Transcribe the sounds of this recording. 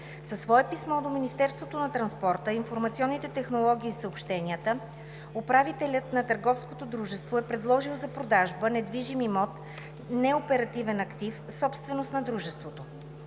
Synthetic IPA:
sɐsvɔɛpismɔd̪ominist̪ɛɾst̪vot̪onɐt̪ɾɐnspɔɾt̪əinfoɾmɐt̪siɔnːit̪ɛt̪ɛxnolˠɔɡʲiːsəopʃt̪ɛniət̪ə | opɾavit̪ɛlʲət̪nɐt̪əɾɡɔfskot̪od̪ɾuʒɛst̪voɛpɾɛd̪lˠɔʒilˠzɐpɾod̪aʒbənɛd̪viʒimimɔt̪ | nɛopɛɾɐt̪ivɛnɐkt̪ifsɔpst̪vɛnost̪nɐd̪ɾuʒɛst̪vot̪o

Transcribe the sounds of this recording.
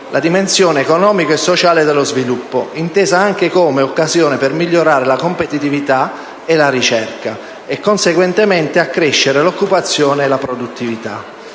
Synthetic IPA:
lʔad̪imensjɔːneːkonɔːmikoesːot͡ʃaːled̪elːozvilupːo̰int̪eːzaaŋk̟ekomeokːazjoːnepermilʎːoɾaːɾelakompet̪it̪ivit̪a | elaɾit͡ʃɛrka | ɛkːonseɡwent̪emɛnt̪eakːɾeʃːeɾelokːupat̪sːjoːneːlapɾod̪ut̪ːivit̪a̰

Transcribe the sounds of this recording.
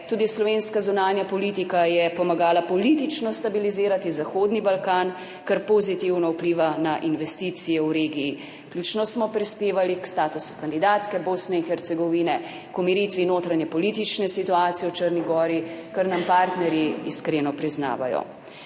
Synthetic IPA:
t̪uːd̪islɔʋenskazunaːnjapɔlit̪ikajɛpɔmaɡaːlapɔlit̪it͡ʃnɔst̪abiliziːɾat̪izaxoːd̪nibalkaːn | kaɾpozit̪iwnɔupliːʋanaʔinʋɛst̪iːt̪sijɛwɾeːɡiji | klʲuːt͡ʃnɔsmɔpɾispeːʋalikst̪aːt̪usu̥kand̪id̪aːt̪kɛboːsnɛinxɛɾt̪sɛɡɔʋiːnɛ | kɔmiɾiːt̪ʋinoːt̪ɾaɲɛpɔlit̪it͡ʃnɛsit̪uaːt̪sijɛwt͡ʃəɾniɡɔːɾikəɾnampaːɾt̪nɛɾjiḭskɾeːnɔpɾizna̰ːʋa̰jɔ̰

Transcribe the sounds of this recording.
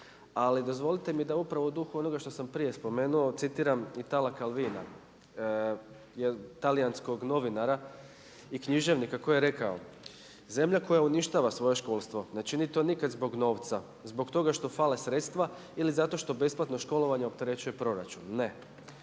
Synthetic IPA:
alid̪o̞zʋo̞lit̪e̞mid̪aupɾaʋoud̪uxuo̞no̞ɡaʃt̪o̞sampɾije̞spo̞me̞ːnuo̞t̪sit̪iːɾamit̪alakalʋiːna̰ | jet̪alijansko̞ɡno̞ʋinaɾa | ikɲiʒe̞ʋnikako̞jeɾe̞kao̞̰ | ze̞mʎako̞jauniʃt̪aːʋasʋo̞je̞ʃko̞ːlˠst̪ʋo̞net͡ʃinit̪o̞nikad̪zbo̞ɡno̞ːʋt̪sa | zbo̞kt̪o̞ɡaʃt̪o̞fale̞sɾe̞t̪st̪ʋa | ilizat̪o̞ʃt̪o̞be̞splˠat̪no̞ʃko̞lo̞ʋaɲeo̞pt̪e̞ɾe̞t͡ɕuje̞pɾo̞ɾa̰t͡ʃunːe̞

